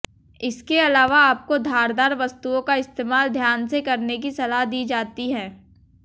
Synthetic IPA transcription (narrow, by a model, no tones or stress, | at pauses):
ɪskeɐlaːʋaaːp̚kod̪ʱaːɾd̪aːɾʋɐst̪uõkaɪst̪eːmaːld̪ʱjaːnsekɐɾnek̬isɐlaɦd̪iːd͡ʒaːt̪iɦɛ̃ː